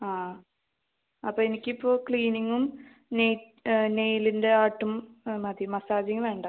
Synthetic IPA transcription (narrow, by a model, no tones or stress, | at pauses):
aː | ɐpːoːenikʲːipːo̞ːkɭiːniŋːum | nej | nejlinde̞aːʈːummɐd̪jmɐsaːd͡ʑiŋʋe̞ːɳɖɐ